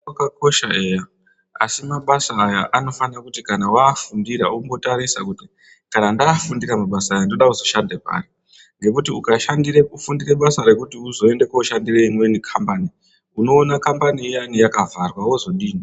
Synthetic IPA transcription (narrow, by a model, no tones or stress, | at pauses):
akako̞ʃae̞ja | a̰simaɓasaːjaʔano̞fanakutikanawaːfundiɾa̰umbo̞taɾisakuti | kanandaːfundiɾamaɓasaːjandnoɗauzoʃandepa̰ːri | ŋɡe̞kutiukaʃandireufundire̞ɓasaɾe̞kutiuzo̞e̞nde̞kouʃandireimwe̞nikʰambani | uno̞ːnakambanijanijakavʱarwawo̞zo̞ɗiːni